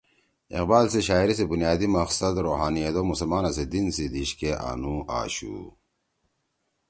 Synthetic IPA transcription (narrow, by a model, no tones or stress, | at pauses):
ḭqbaːlseɕaːiɾis̬ebunjaːd̪imɐqsɐd̪ɾoːɦaːnijed̪oːmusɐlmaːnɐsed̪insid̪iɕkeʔa̰nua̰ːɕṵ